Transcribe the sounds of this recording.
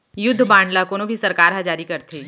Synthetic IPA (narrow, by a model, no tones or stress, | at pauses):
jʊd̪ʱːbãːɳɖlakonobʱisɐɾkaːɾɦad͡ʒaːɾikɐɾt̪ʰeː